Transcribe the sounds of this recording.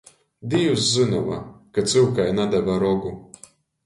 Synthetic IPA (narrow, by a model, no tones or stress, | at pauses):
d̪iuszɨnɔva̰kat̪sɨwkajnad̪ɛvaɾɔɡu